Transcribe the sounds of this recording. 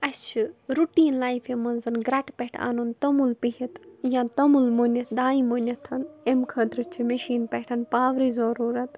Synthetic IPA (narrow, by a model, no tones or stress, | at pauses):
ɐst͡ʃʰiɾuʈiːnlaːjfʰemɐnzɐnɡɾɐʈʰpeʈʰa̰ːnunt̪ɐmulpiɦit̪jãːnt̪ɐmulmonʲɐt̪d̪aːimonʲjɐt̪ʰɐnemkʰɐd̪ɾɨt͡ʃʰimɐʃiːnpeʈʰɐnpaːʋɾiːzɐɾuːɾɐt̪